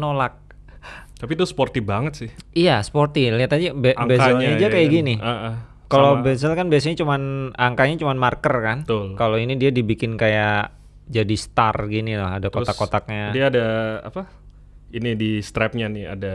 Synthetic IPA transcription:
nolak̚ | t̪apit̪ʊsport̪ibaŋət̪sɪhijasə̥port̪iliat̪adibeaŋbekaɛlɲɲad͡ʒiakajaɡiniaʔə | kallobez̬ɛlkanbias̬ɲat͡ʃumanaŋkaɲat͡ʃumanmarkərkanət̪ʊlkaloinidiadibikɪnkaja | d͡ʒadist̪arɡinilaɦadakot̪akott̪ak̚ɲadiaːdaa̰pa | inidist̪ɾɛp̚ɲania̰da

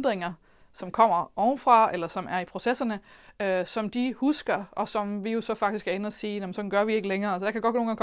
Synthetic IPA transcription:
d̥ʁeŋɐ | sɒ̽mkʰɒ̽m̰ɐʔɒʊnfʁɑ̈elɐsɒ̽mʔæɐipʰʁo̝sesɐnəøsɒ̽md̥ihusɡ̥ɐɒ̽sɒ̽mʋijo̝sɒ̽fɑ̈ɡ̥d̥isɡ̥æɐenəɒsiːjæmnsɒ̽dn̩ɡ̥ɶɐʋie̝ɡ̥əleŋɐːælsəd̥ɑ̈kʰæɡɒ̽d̥̚o̝ːnɡɑŋːk

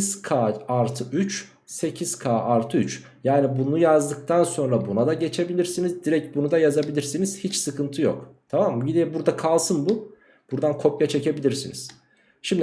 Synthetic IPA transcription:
z̥kʰaːaɾt̪ʰɯʔyt͡ʃ | se̞cʰiz̥kʰaːaɾt̪ʰɯyt͡ʃ | jaːnibunujazd̪ɯk̚t̪ʰanso̞nɾabunad̪aɟe̞t͡ʃʰe̞bilʲiɾsinizd̪iɾɛc̚bunud̪ajazabilʲiɾsiniz̥hit͡ʃsɯkʰɯnt̪ʰɯjo̞̰kt̪ʰamambid̪ɛbuɾd̪akʰalˠsɯnbu | b̥uɾd̪ankʰo̞pjat͡ʃʰe̞ce̞bilʲiɾsinḭz̥ | ʃimd̪i

